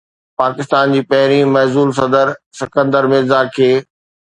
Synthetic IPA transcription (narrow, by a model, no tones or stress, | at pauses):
paːkɪst̪aːnd͡ʑiːpɐɦɪɾ̃ĩmɐɦzuːls̬ɐd̪əɾsɪkə̃nd̪əɾmɪzakʰeː